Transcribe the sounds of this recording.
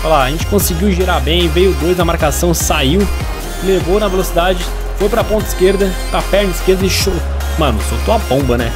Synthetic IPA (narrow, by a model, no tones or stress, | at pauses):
falaɐʒẽnt͡ʃɪ̥kõsɪɡiwʒiɾabẽj̃vejʊd̪ojznɐmaɾkasɐ̃w̃saiw | levownɐvelosid̪ad͡ʒɪ | fojpɾɐpõt̪ɐɪskeɾd̪ɐ | pɾapɛɾnɪskeɾd̪ɐɪʃow | mɐ̃nʊfowt̪oɐbõbɐnɛ̰